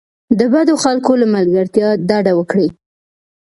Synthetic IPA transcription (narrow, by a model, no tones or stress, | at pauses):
d̪əbad̪oxalkolamalɡaɾt̪jɑd̪ɑɖawəkɽi